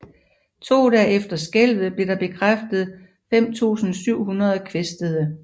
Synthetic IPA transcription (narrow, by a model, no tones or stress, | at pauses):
t͡sʰo̝̰ːd̥ɛːefd̥ɐsɡ̥el̰ʋð̩ˠb̥le̝ɾɑ̈b̥e̝kʰʁafd̥əð̞̩ˠ | fem̰t͡sʰṵːsn̩syʊ̰ɦunɐð̞ˠkʰʋesd̥əð̩ˠə